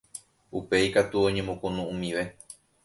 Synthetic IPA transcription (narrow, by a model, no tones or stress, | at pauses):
upe̞ikat̪uo̞ɲẽmõkõnũũmĩʋe̞